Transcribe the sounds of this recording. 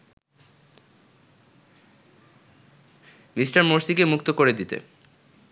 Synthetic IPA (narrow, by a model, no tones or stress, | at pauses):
misʈaɾmoɾsikemuk̚t̪okoɾed̪it̪ḛ